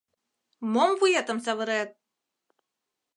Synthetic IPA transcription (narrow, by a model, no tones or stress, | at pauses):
momvujat̪ɤ̆msɑβɤ̆ɾet̪̚